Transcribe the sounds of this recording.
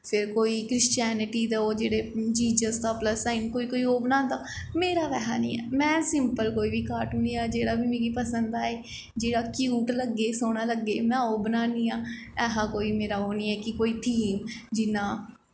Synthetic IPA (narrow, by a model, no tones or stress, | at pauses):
pʰɪɾkoːiːkɾɪʃt͡ʃɛːnɪʈiːd̪aoːd͡ʒeːɽeːd͡ʒiːd͡ʒəsd̪aːpləsaɪnkoːiːkoːiːoːbnãːnd̪aː | meːɾaːʋɛːɦa̰ːnḭ̃ːɛ̰ːmɛ̃ːsɪmpəlkoːiːʋiːkaːʈʊniːaːd͡ʒeːɽaːbiːmeːɡiːpəsənd̪aːeː | d͡ʒeːɽaːkjuːʈləɡːeːsoːɽ̃aːləɡːeːmɛ̃ːoːbənaːnĩːaːɛːɦaːkoːiːmeːɾaːoːnĩːɛːkɪkoːiːʈʰiːmd͡ʒɪnːãː